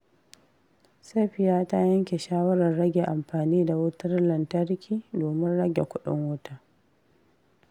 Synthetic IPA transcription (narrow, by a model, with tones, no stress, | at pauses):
se˦˨ɸɪ˦jaː˦ta˦jɐ˦ŋkʲe˨ʃaː˦wɐ˦ɾɐ˨rɽɐ˦ɡʲe˨ʔa˨mɸaː˨niː˦da˨wʊ˦tɐ˦rlɐ˨ntɐ˦rkʲʰiː˦˨doː˨mɪ˦nɽɐ˦ɡʲḛ˨kʷʊ˦ɗɪ̰˦ŋwʊ˦ta˦